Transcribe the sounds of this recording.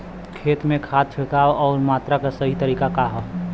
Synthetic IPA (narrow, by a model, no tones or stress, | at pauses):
kʰeːt̪mẽkʰaːt̪̚t͡ʃʰɪkaːwɔːɾmaːt̪ɾakasəɦit̪əɾiːkakaɦɔ